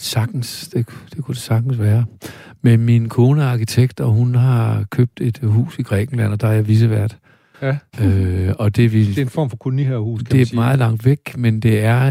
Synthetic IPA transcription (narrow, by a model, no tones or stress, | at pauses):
sɑ̈ɡ̥̚d̥n̩sd̥e̝d̥e̝kʰud̥e̝sɑ̈ɡ̥n̩sʋæːɐ | meminkʰo̝ːnəɑ̈kit͡sʰeɡ̥d̥ɒɦunɦɑ̈kʰøb̥̚d̥e̝d̥hṵːsiɡ̥ʁɛ̰ːɡ̥n̩læn̰ɒ̽d̥ɑjaʋis̬əʋæɐ̰d̥ | øɒ̽d̥e̝ʋi̝nfɒ̰mfɒ̽kʰolmihehuːsd̥e̝mɑ̈ːð̞̩ˠlɑ̈ŋ̰d̥ʋeɡ̥mend̥e̝æɐ